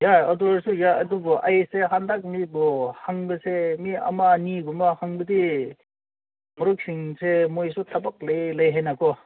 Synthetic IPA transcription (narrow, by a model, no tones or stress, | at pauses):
jaɐduɾsujaɐdubɔʔajseɦandak̚mibɔhaŋbɐsemiɐ̰manibumahaŋbɐdi | mɔɾuk̚sʰiŋsemojsutʰabak̚lɐjlɐjɦenakɔ